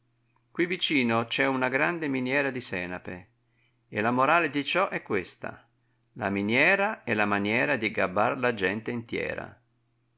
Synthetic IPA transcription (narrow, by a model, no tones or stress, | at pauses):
kwivit͡ʃiːnot͡ʃɛunaɡɾand̪eminjɛːɾad̪isɛːnapḛ | elamoɾaːled̪it͡ʃɔʔɛkːwest̪a̰ | la̰minjɛːɾaɛlamanjɛːɾad̪iɡabːarlad͡ʒɛnt̪eint̪jɛ̰ːɾa̰